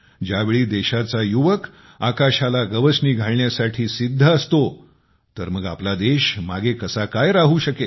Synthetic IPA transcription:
d͡ʑjaʋeɭiːd̪eɕat͡sajuʋək | akaɕalaɡəʋəsniːɡʱaɭɳjasaʈʰiːsid̪ʱːəːst̪o | t̪əɾməɡa̰plad̪eɕmaɡekəsakajɾaɦuːɕəke

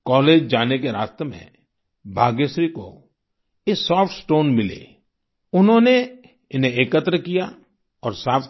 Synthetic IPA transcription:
kɔːleːd͡ʒd͡ʒaːnekeɾa̰ːst̪əmḛ̃ | bʱaːɡjeʃɾiko̰ | jesɔːfʈsʈoːnmɪlḛː | ʊnɦõne | ɪnɦẽeːkət̪ɾəkija | ɔːɾsaːp

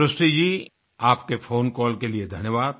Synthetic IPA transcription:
ɾəsʈid͡ʒiː | aːpkefʰoːnkɔːlkelied̪ʱɐnjəʋaːd̪̚

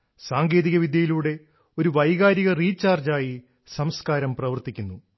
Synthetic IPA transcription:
saːŋɡe̞ːðiɣɐʋid̪jɐjiluːɽe̞ | o̞ɾuʋɐjɣaːɾiɣɐriːt͡ɕːaːrd͡ʑaːji | sɐmskaːɾɐmprɐʋɐrt̪ikʲːunːu

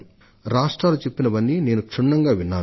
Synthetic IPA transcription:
ɾaːʂʈɾaːlut͡ʃe̞pːinɐʋɐnːine̞ːnukʂiɳːɐŋɡaːʋinːaː

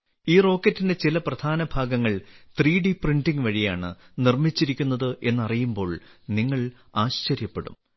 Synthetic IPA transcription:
iːro̞ːkːɐtːinde̞t͡ɕilɐprɐd̪̥ʱaːnɐbʱaːɡɐŋːɐɭt̪riːɖiprindiŋʋɐɻijaːɳɨ̰ | nirmit͡ɕːiɾikʲːunːɐðɨʔe̞nːɐrijumbo̞ːɭniŋːɐɭ | aːɕt͡ɕɐɾjɐpːeɽṵm

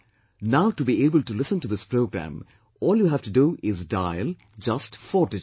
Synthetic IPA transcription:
naʊʈubieːbəltulɪsə̃ntud̪ɪspɾoʊɡɾæ̰̃m | ɔːljuːɦæfʈuduʔɪzdaɪl | d͡ʒʌstfɔʈɪ

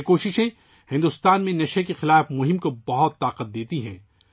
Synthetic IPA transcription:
koːʃɪʃẽ | hɪ̃nd̪ʊst̪aːnmẽnɐʃekexɪlaːfmʊɦɪ̃mkobɐɦʊt̪ːaːqət̪̚d̪eːt̪iɦɛ̃ː

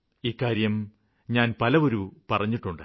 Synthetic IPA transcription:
ikːaːɾjɐm | ɲaːnpɐlɐʋo̞ɾupɐrɐɲːiʈːuɳɖɨ̰

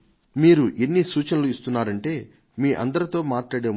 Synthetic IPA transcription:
miːɾuʔenːisuːt͡ʃɐnɐluist̪unːaːɾɐɳʈe̞ː | miːʔɐ̰nd̪ɐɾɐt̪o̞ːmaːʈlaːɽeː

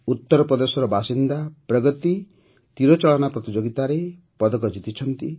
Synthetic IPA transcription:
ut̪ːɔɾɔpɾɔd̪esɔɾɔbʱasind̪apɾɔɡɔt̪i | t̪iɾɔt͡ʃɔɭɔnapɾɔt̪id͡ʒoɡit̪aɾe | pɔd̪ɔkɔd͡ʒit̪it͡ʃʰɔnt̪i

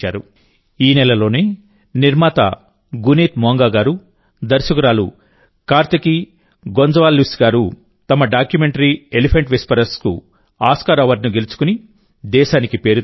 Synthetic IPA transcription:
a̰ːɾu | iːnɛlɐlo̞ːneː | niɾmaːt̪a̰ | ɡuniːt̪moːŋɡaːɡaːɾu | d̪ɐɾsɐkɐɾaːlṵ | kaːɾt̪ɐki | ɡond͡ʒɐʋaːlːisɡaːɾu | t̪ɐmɐɖaːkjumeɳʈɐɾielipʰɐɳʈʋispɐɾɐɾskṵ | aːskaːɾɐʋɐɾnuɡe̞lut͡ʃu̥kuni | d̪ɛːʃaːnikipe̞ːɾu

